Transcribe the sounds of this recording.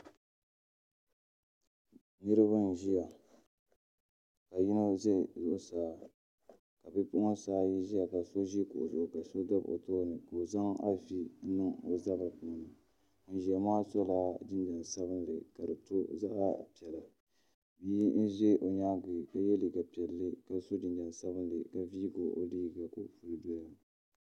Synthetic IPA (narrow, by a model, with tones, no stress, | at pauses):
nɨ˦ɾɨ˦βa˦n̩˨ʒi˦ja˨ | ka˨ji˦no˦ʒe˦˨zʊ˦˨ʔʊ˦saː˨˦ | ka˨bi˦pʊ˦ʔsaː˦ji˦ʒi˦a˨ka˨so˦ʒi˦kʊ̰˨ʔzʊ˨ʔʊ˨ka˨so˦da˦bo̰˨toː˦nɨ˨ko˨za˦ŋa̰˦vi˦nɨ˦ŋo˨za˦ba˨pʊ˦˨nɨ˨ | n̩˦ʒa˨maː˦so˦laː˦dɨ˦nda˨n˨sa˦bɨ˦n˦dɨ˨ka˨dɨ˨to˦za˦ʔa˦˨pi˨ɛ˨la˨ | bi˦n̩˦ʒɛ˦ʔo˨ɲa˦ɡi˨ka˦jɛ˦li˨ka˨pi˨ɛ˨lːɨ˦ka˨so˦dɨ˨nd͡ʒa˨n˨sa˦bɨ˦ndɨ˨ka˨vi˦ɡo˨ʔo̰˦liː˦ɡa˨ko˦˨fu˨lɨ˨do˦ja˦